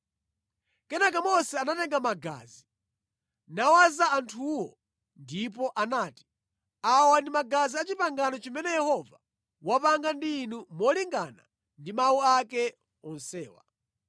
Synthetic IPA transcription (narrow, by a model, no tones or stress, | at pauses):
kɛnakamɔsɛanatɛŋɡamaɡa̰ːzi | nawazaantʰuwɔ | ndip̬ɔʔanaːti̥ | awandimaɡaziat͡ʃipaŋɡanɔt͡ʃimɛnɛjɛhɔva | wapaŋɡandiːnumɔliŋɡana̰ | ndimawuakɛ | ɔnsɛːwa̰